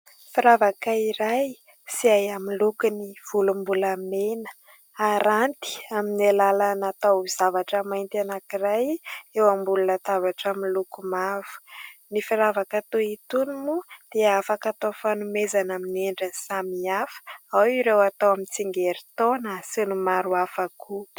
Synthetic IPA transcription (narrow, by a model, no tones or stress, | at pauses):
fiɾavakaiɾaj | siajamilukuniv̥ulumbulamenə̥ | aɾant̪i̥aminalalanat̪aiz̥avaʈ͡ʂəmajnt̪anakirajewambulunət̪avaʈ͡ʂamilukumav̥u̥nifiɾavakat̪oit̪unimud̪̥eafakat̪ofanumezanamineɳɖ͡ʐənsamiafə̥awiɾewat̪owamint͡siŋɡeɾit̪onasenumaɾuafaku